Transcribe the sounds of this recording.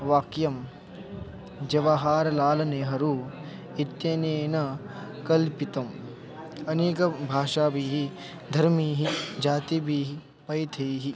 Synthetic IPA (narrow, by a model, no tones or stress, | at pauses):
ʋaːkjɐm | d͡ʒɐʋaɦaːɾɐlaːlɐneːɦɐɾu | it̪jɐneːnɐ | kɐlpit̪ɐm | ɐneːkɐbʱaːʂaːbiːɦi | d̪ʱɐɾmiːɦid͡ʒaːt̪ibiːɦi | pɐjt̪ʰɐjɦi